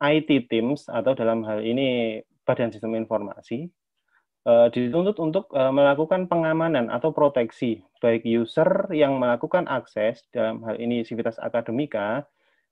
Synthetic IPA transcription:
ʔajt̪it̪ɪmsa̰t̪awdalamɦalini | b̥adansist̪əminfɔrma̰si | ʔədit̪unt̪ʊt̪unt̪ʊk̚əməlakukanpəŋamananʔa̰t̪awpɾot̪ɛksib̥aɪk̚jusərjaŋməlakukanʔaksɛsd̥alamɦalḭnit̪ifit̪asa̰kado̤mika

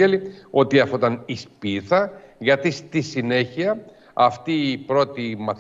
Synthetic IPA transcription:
elio̞t̪iɐfot̪ɐnispiθɐʝɐt̪ist̪isine̞çiɐ | ɐft̪iːpɾo̞t̪imɐθ

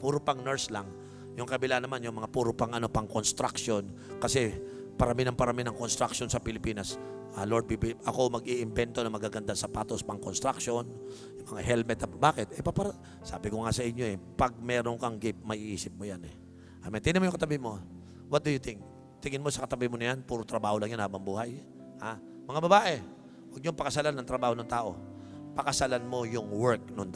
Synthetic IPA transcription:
puːɾopɐŋnɛɹslaŋ | jʊŋkɐbɪlanɐmanjʊŋmɐŋapuːɾopɐŋɐno̞pɐŋko̞nst̪ɾakʃo̞nkɐsɛ | pɐɾɐminɐŋpɐɾɐminɐŋko̞nst̪ɾak̚ʃo̞nsɐpɪlɪpiːnɐs | ʔɐloɹd̪̚bibɪipʔɐko̞mɐɡiʔɪmbɛnt̪o̞nɐŋmɐɡaːɡɐnd̪asɐpaːt̪o̞spɐŋko̞nst̪ɾakʃo̞n | jʊŋmɐŋaɦɛlmɛt̪ɐbaːkɪt̪̚ʔɛpapɐɾ | sa̰ːbɪkoŋasɐʔɪɲːo̞ɛpɐɡ̚mɛɾoŋkɐŋɡɪp̚mɐʔiʔiːsɪp̚mojanɛ | ʔɐmɛnt̪ɪnɪmojʊŋkɐt̪ɐbɪmo̞ | wɐt̪̚d̪ʊjʊt̪ɪŋk̚ | t̪ɪŋɪnmo̞sɐkɐt̪ɐbɪmonɐjanpuːɾot̪ɾɐbaːholɐŋjʊnhaːbɐŋbuːhaj | ha | mɐŋabɐbaːʔɛ | wɐɡ̚ɲoŋpɐkɐsalanːɐŋt̪ɾɐbaːho̞noŋt̪aːʔo̞̰pɐkɐsalanmo̞jʊŋwɛɹk̚noŋ

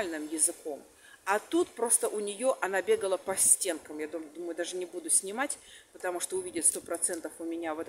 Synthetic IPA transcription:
lʲnɨmjɪzɨko̞m | ɐt̪ut̪pɾo̞st̪əʔʊnʲɪjo̞ʔɐnabʲeɡəlˠəpɐsʲtʲe̞nkəmjad̪umd̪umʊjʊd̪aʐɨnʲɪbud̪ʊsʲnʲɪmatʲpət̪ɐmuʂt̪oʊvʲidʲɪt̪st̪o̞pɾɐt̪sɛnt̪əfʊmʲɪnʲavɛt̪

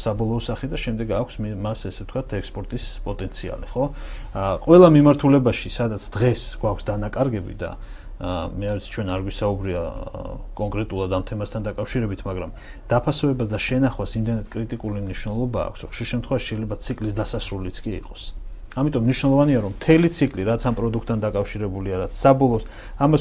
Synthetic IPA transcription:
sabɔlˠɔːsaχid̪aʃɛmd̪ɛɡakʷʰsmmasɛsɛ̥t̪ʰkwat̪ʰɛkspʼɔɾt̪ʼispʼɔt̪ʼɛnt̪sʰia̰liχɔ | qʼwɛlˠamimaɾt̪ʰulɛbaʃisad̪at̪sʰd̪̥ʁɛsɡwakʰsd̪anakʼaɾɡɛbḭd̪a̰ | mɛavit̪ʰi̥t͡ʃʰwɛnaɾɡwisaubɾia̰ | kʼɔŋkʼɾɛt̪ʼulˠad̪amt̪ʰɛmast̪ʰand̪akʼafʃiɾɛbit̪ʰmaɡɾam | d̪̥apʰasɔɛbasd̪aʃɛnaχwasimd̪ɛnat̪̚kʼɾit̪ʼikʼulimniʃwnɛlˠɔba̰ːkʷʰsɾɔχʃiɾʃɛmt̪ʰχwɛvaʃi̥ʃɛjlɛbat̪sʰikʼlisd̪asasɾulit̪sʰkʼiḭqʼɔ̥samit̪ʼɔmːniʃwnɛlˠɔvaniaɾɔmːt̪ʰɛlit̪sʰikʼliɾat̪sʰampʼɾɔd̪ukʰt̪ʰʼːand̪akʼafʃiɾɛbuliaɾat̪sʰsabɔlˠɔs | ama

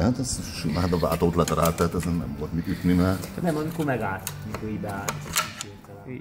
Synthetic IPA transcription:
hat̪ɛzʃimaːd̪ɒva̰ːt̪oːt̪lɛt̪ɾaːt̪ːɛt̪ɛzɛnɛ̰mvolt̪miyt̪nimɛnɛmɒmikomɛɡaːlt̪o̥mikoibɛaːlt̪ote

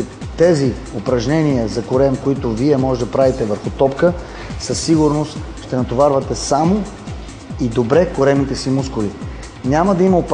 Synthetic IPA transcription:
t̪ɛzi | opɾɐʒnʲɛniəzɐkʊɾɛmkoit̪ʊviɛmɔʒɛd̪ɐpɾavit̪ɛvəɾxʊt̪ɔpkə | səsːiɡʊɾnost̪ | ʃt̪ɛnɐt̪ovaɾvɐt̪ɛsamo | id̪obɾɛkʊɾɛmit̪ɛsimuskʊli | nʲaməd̪ɐimɐop

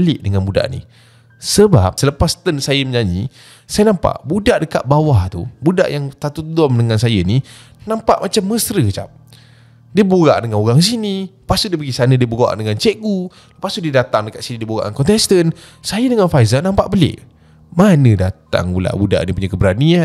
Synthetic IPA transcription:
əlɪʔdəŋanbuda̰ʔnḭ | səba̰p̚sələpast̪ənsajəməɲaɲḭ | sajənãmpa̰ʔbudaʔdəka̰t̪̚bawaht̪ṵbuda̰ʔjaŋt̪at̪udɔmdəŋansajəni | nampaʔmat͡ʃamːəsɾət͡ʃa̰p̚ | diəbuɣa̰ʔdəŋanoɣaŋs̬iniəpasʊʔ̚diəpəɡisanədiəbuɣa̰ʔdəŋant͡ʃeʔɡu | əpasuʔdiədat̪aŋdəkat̪ʔsinidiəbuɣa̰ʔaŋkɔnt̪ɛst̪ən | sajədəŋanfajzənãmpaʔbəlḛʔ | manədat̪a̰ŋula̰ʔbuda̰ʔnipuɲəkəbɾania

